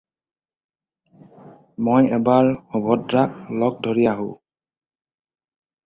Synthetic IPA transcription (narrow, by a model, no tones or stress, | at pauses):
mojɛbaɹhubʱɔtɹak̚lɔk̚dʱoɹijaɦo̰